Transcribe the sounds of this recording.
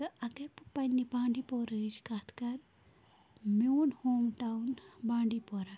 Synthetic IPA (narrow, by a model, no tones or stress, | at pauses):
ɐɡɐɾppɐnʲːibãːɳɖipoːɾɨd͡ʒkat̪ʰkɐɾ | moːnhoːmʈawnbãːɳɖipoːɾa